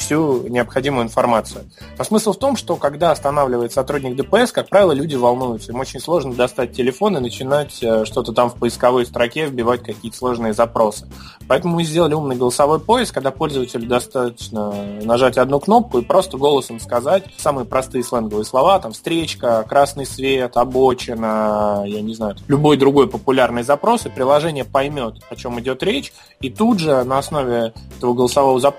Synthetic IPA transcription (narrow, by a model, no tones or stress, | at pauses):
fsʲunʲɪɐpxɐdʲimʊjʊɪnfɐrmat̪sɨjʊ | nosmɨslˠft̪o̞mʂt̪o̞kɐɡd̪aɐst̪ɐnavlʲɪvəɪt̪sɐt̪ɾudʲnʲɪk̚d̪əpəɛskak̚pɾavʲɪlˠəlʲudʲɪvɐlˠnujʊt̪səimot͡ɕɪnʲslˠo̞ʐnəd̪ɐst̪at̚ʲtʲːɪlʲɪfo̞nɨnət͡ɕɪnatʲəʂt̪o̞t̪ət̪amfpəɪskɐvo̞jst̪ɾɐkʲe̞vbʲɪvat̚ʲkɐkʲiət̪ə̥slˠo̞ʐnɨjəzɐpɾo̞sɨ̥ | pɐɛt̪əmʊmɨzʲdʲelˠəlʲɪumnɨjɡəlˠəsɐvo̞jpo̞jɪsk̚kːɐɡd̪apo̞lʲzəvətʲɪlʲʊd̪ɐst̪at̪ət͡ɕnənɐʐatʲɐd̪nukno̞p̚kʊipɾo̞st̪əɡo̞lˠəsəmskɐzatʲsamɨjəpɾɐst̪ɨjəslˠɛnɡəvɨjəslˠɐvat̪amfst̪ɾʲet͡ɕkəkɾasnɨjsvʲet̪ɐbot͡ɕɪnəjanʲɪznajʊt̪alʲʊbo̞jd̪ɾʊɡo̞jpəpʊlʲarnɨjzɐpɾo̞sɨpɾʲɪlˠɐʐɛnʲɪjəpɐjmʲo̞t̪ɐt͡ɕo̞mɪdʲo̞t̪ɾʲet͡ɕ | it̪udʐɨnəɐsno̞vʲɪɛt̪əvəɡəlˠəsɐvo̞vəzɐ